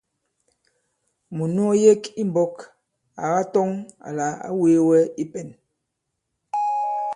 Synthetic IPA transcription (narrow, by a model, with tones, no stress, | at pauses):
mu˨nu˦ɔ˦je˦ki˦m˦bɔ˦k | a̰˨ɣa˦tɔ˦ŋa̰˨la˨a̰˦we˦wɛ˦i˦pɛ˨n